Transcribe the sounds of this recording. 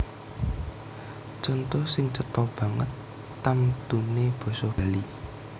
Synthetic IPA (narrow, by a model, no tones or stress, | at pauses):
t͡ʃɔnt̪osɪŋt͡ʃət̪ɔb̥a̤ŋə̰t̪ː | amd̪̥ṳneb̥ɔ̤sob̥ali